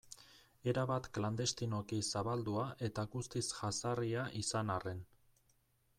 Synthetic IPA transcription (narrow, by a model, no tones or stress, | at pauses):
e̞ɾaβat̪kland̪e̞st̪ino̞kisaβald̪uaʔe̞t̪aɡust̪isʝasariaʔisanare̞n